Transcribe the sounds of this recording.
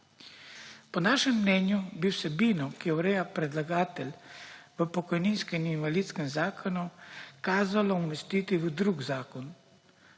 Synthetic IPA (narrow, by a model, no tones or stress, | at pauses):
pɔnaːʃɛmːnɛːnjubiwsɛbiːnɔkijɛwɾɛːjapɾɛd̪laɡaːt̪ɛlʲʋəpɔkɔjninskɛninʋaliːt̪skɛmzaːkʰɔnukaːzalɔumɛst̪iːt̪iʋəd̪ɾuːɡzaːkɔn